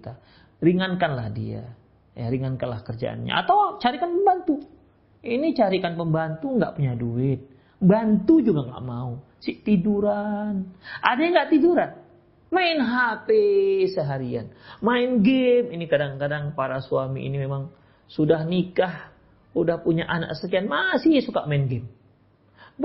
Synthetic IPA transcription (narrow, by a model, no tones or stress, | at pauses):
it̪a | ɾiŋankanlahdḭa̰ | ja̰ɾiŋankanlahkərd͡ʒa̰ʔa̰nɲa̰a̰t̪awt͡ʃaɾikanpəmbant̪u | init͡ʃaɾikanpəmbant̪uŋɡa̰ʔpuɲaduɪt̪̚ | bant̪ud͡ʒuɡaŋɡa̰ʔmau | siʔt̪iduɾanʔadaɲaŋɡaʔt̪iduɾan | maɪnɦapesəɦaɾia̰nmaɪnɡeminikadaŋkadaŋpaɾasuamiʔḭnimemaŋ | sudahnikah | udahpuɲaʔana̰k̚sək̬ianmasɪhsuka̰ʔmaɪnɡɛm | b